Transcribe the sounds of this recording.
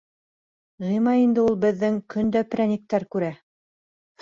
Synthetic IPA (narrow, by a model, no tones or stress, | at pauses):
ʁɤjmɑind̪ɘulˠbɘ̆ðːɘŋkɵnd̪æpɾænʲik̚t̪æɾkʉɾæ